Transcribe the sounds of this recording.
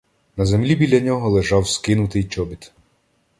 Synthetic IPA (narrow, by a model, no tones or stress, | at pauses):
nɐzemlʲibʲilʲːɐnʲɔɦɔlˠeʒɑwskɪnʊt̪ɪjt͡ʃɔbʲit̪